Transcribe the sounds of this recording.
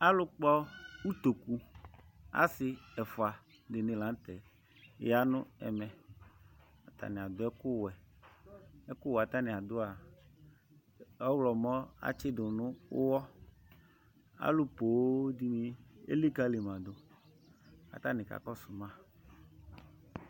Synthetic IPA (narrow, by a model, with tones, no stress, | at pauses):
a˦lʊ˦k͡pɔ˦wu˦t̪o˨ku˦ | a̰˦sɪ˦ɛ˨fʊ˨a˨ | de˨nɪ̃˨lã˨˦t̪ɛ˨ | ja˦nʊ̰̃˦ɛ̰˨mɛ̃˨ | a˨t̪a̰˨nɪ̃˨a˨d̪ʊ˦ɛ˦kʊ˦wɛ˨ | ɛ˦kʊ˦wa˨t̪a˦nɪ̃˨a˨d̪ʊ˦a˨ | ɔ˦wlɔ˨mɔ̃˦a̰˨t͡ʃɪ˦dʊ˨nʊ̃˦ʊ̰˦wɔ˦ | a̰˦lʊ˦po˨˦d̪i˦mi˨ḛ˦li˦ka˦le˨mã˨d̪ʊ˨ | a̰˨t̪a˦nɪ̃˨ka̰˨kɔ˦su˨mã˦˨